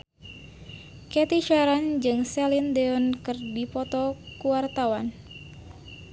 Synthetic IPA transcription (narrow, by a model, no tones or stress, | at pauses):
kɛt̪iʃaɾand͡ʒɨŋsɛlindeɔnkɨrdipɔt̪ɔkuwart̪awan